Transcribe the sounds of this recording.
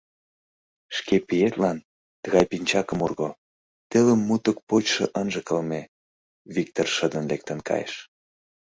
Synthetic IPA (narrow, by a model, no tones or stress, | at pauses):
ʃkepijet̪lɑn | t̪əɣɑjpinʲt͡ɕɑkə̆murɣo | t̪eləmːut̪ək̚pot͡ɕʃɤ̆ʔənʒəkəlme | βik̚t̪orʃəd̪ənlek̚t̪ənkɑ̰jḛʃ